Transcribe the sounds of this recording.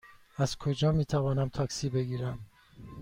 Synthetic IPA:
æz̥kʰod͡ʒɒːmiːt̪ʰævɒːnæmt̪ʰɒːksiːbe̞ɡiːɾæm

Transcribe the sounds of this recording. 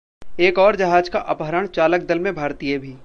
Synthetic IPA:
eːkɔːɾd͡ʒɐɦaːd͡ʒkaʔɐpɦəɾəɽ̃t͡ʃaːlək̚d̪ɐlmẽbʱaːɾt̪iebʱiː

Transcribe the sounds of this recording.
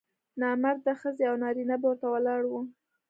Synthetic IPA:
nɑmaɾd̪əxəzeawnɑɾinaboɾt̪awəlɑɽwu

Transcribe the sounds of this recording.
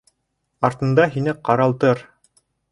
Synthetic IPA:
ɑɾt̪ɤ̆nd̪ɑɦinɘqɑɾɑlˠt̪ɤɾ

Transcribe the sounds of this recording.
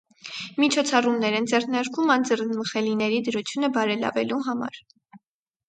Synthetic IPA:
mit͡ʃʰɔt͡sʰɑrumnɛɾɛnd͡zɛrnɑɾkumɑnd͡zərnməχɛlinɛɾid̪əɾut͡sʰjunəbɑɾɛlɑ̰vɛluɦɑmɑ̰ɾ

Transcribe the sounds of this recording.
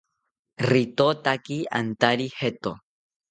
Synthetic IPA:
rit̪ot̪akia̰nt̪aɾihet̪o

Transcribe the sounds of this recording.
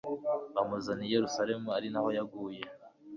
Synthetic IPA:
amuzanijeɾusaɾe̞muaɾinaho̞jaɡuːje̞

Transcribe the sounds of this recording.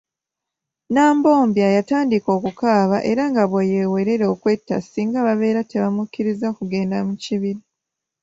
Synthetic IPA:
naːmbo̞ːmbjajataːndiko̞ːkukaːβaʔe̞ɾaŋɡaβwejewe̞ɾe̞ɾokwe̞tːa̰siːŋɡaβaβe̞ːɾate̞βamukːiɾizakuɡe̞ːndamuciβiɾi

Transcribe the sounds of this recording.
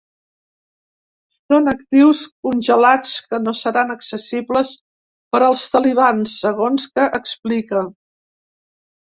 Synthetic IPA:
sonək̚t̪iwskunʲʒəlat͡skənosəɾanəksəsibləs | pəɾəlˠst̪əliβ̞ansːəɣ̞onskəʔəksplikə

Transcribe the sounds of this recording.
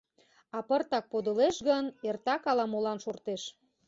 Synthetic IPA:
ɑpərt̪ɑk̚pod̪əleʃɡənert̪ɑkɑlɑmolɑnʃort̪eʃ

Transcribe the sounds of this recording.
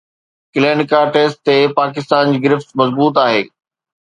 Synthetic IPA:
kɪlẽːnkaʈeːsʈ̚t̪epaːkɪst̪aːnd͡ʑiːɡɪɾɪft̪mɐzbuːt̪̬aːɦeː

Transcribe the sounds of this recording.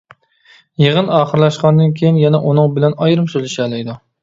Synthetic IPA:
jeʁənɑːχəɾlˠɛʃqɑnd̪ɨnkʲʰejinjɛnɛʔunɨŋbɪlɛnɑjɾɨmsølɪʃɛːlɛjd̪u

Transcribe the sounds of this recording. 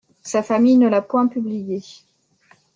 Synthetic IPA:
safamijnəlapwɛ̃pyblije

